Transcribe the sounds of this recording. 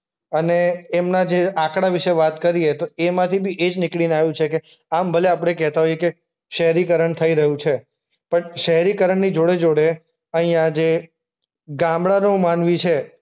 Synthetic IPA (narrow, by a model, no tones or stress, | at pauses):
əneːmnad͡ʒeakɽaʋɪʃeʋat̪kəɾiet̪oemãt̪ʰibʱiʔed͡ʒnɪkɭineaʋjũt͡ʃʰeke | ambʱəleap̬ɽ̃ekɛɦt̪aɦojeke | ʃəɦɛɾikəɾəɳt̪ʰəiɾəɦũt͡ʃʰe | pəɳʃəɦɾikəɾəɳnid͡ʒoɽed͡ʒoɽe | əɦĩjãd͡ʒe | ɡãmbɽanũmanʋĩt͡ʃʰe